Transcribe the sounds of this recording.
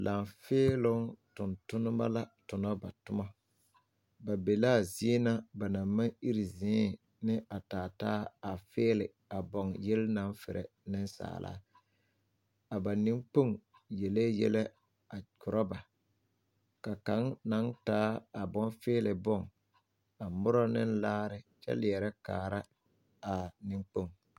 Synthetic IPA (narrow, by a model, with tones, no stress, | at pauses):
la˨mfɪː˦lʊ˦ŋtʊ˨ntʊ˦nʊ˦ma̰˦la˦tʊ˨nɔ˦ba̰˨tʊ˦ma˦ | ba˨be˨laː˦˨zi˦e˦na˦ba˨na˨ma˦ŋi˦ɾi˨zɪ̃˨˦ | nɪ˦ʔa˨taː˨taː˦a˨fɪː˦lɪ˨ | a˨bɔ˨ŋjɛ˦lna˨˦nfɪ̰˨ɾʔɛ̰˨ | nɪ˦nsa̰ː˨lʔa̰ː˨˦ | a˨ba˨nɪ˦ŋk͡po˦˨ŋ | je˨le˦jɛ̰˦le˦ | a˨kʰʊ˨ɾʔɔ˦ba˨ | ka˨ka˦ŋna˨˦ŋtaː˦a˨bɔ˦nfɪː˦lɪ˨bɔ˦˨ŋ | a˨mʊ˦ɾɔ˦nɪ˦nlaː˦ɾɪ˦t͡ʃɛ̰˦lɪ˨ɛ˨ɾɛ˦ka̰ː˨ɾa˦ | a˨nɪ˦ŋk͡po˦˨ŋ